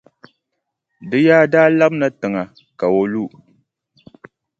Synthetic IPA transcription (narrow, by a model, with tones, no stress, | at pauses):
dɨ˦jaː˦daː˦la˦bna˨tɨ˨ŋa˨ | ka˨wo˦lu˦